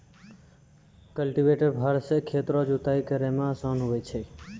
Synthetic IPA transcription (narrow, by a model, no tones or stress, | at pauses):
kəlʈiʋeːʈəɾbʱaɾsekʰeːt̪ɾod͡ʒut̪aːikəɾemãsonɦoet͡ʃʰe